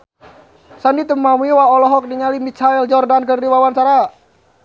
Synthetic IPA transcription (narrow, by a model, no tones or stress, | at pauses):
sanit̪̬əmːamuiwaɔlɔɦɔk̚niŋalimit͡ʃaɛld͡ʒɔrdankərdiwawansaɾa